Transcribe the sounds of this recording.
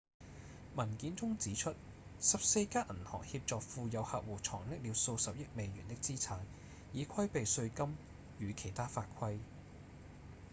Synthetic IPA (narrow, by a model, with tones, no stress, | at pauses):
mɐ˨˩nkiː˨˥nt͡sʊ˥ŋt͡siː˨˥t͡ʃʰɵ˥t̚ | sɐ˨p̚se˧jkaː˥ʔɐ˨˩nt̪ʰɔ̰ː˨˩ŋhiː˧p̚t͡sɔː˨k̚fuː˨˧jɐ˨˧whaː˨˧t̚wuː˨t͡sʰɔː˨˩ŋlɪ˥k̚liː˨˧wso˧wsɐ˨p̚jɪ˥k̚me˨˧jɥyː˨˩nt̪ɪ˥k̚t͡siː˥t͡sʰaː˨˥n | jiː˨˧kʷʰɐ˥jpe˨jsɵ˧ɥkɐ˥m | jyː˨˧kʰe˨˩jt̪ʰaː˥faː˧t̚kʷʰɐ˥j